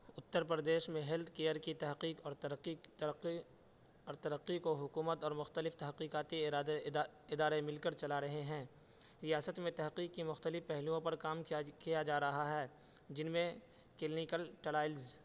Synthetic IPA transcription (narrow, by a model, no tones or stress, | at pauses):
ʊt̪ːəɾpɾəd̪eːʃmẽɦɪld̪keːəɾkit̪ɐɦqiːqɔːɾt̪i | ɔːɾt̪ɐɾəqːikoɦʊkuːmət̪ɔːɾmʊxt̪əlɪft̪ɐɦqiːqaːt̪iɪad̪eɪd̪aːɾemɪlkəɾt͡ʃɐlaɾɐɦeɦɛ̃ː | ɾijaːsət̪mẽt̪ɐɦqiːqːimʊxt̪əlɪfpɛɦlijõpɐɾkaːmkijad͡ʒaːɾɐɦaɦɛː | d͡ʒɪnmẽ | keːlnikəlʈɐlaːɪlz